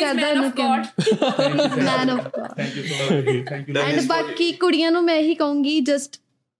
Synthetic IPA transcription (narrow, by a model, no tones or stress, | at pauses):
kəɾd̪aːnũːkɛnẽː | mɛ̃ːnɔːfkɔ̰ːɾ | ɛ̃ːɳɖbaːkiːkʊɽijãːnũːmɛ̃ːɦiːkəũːŋɡiːd͡ʒəsʈ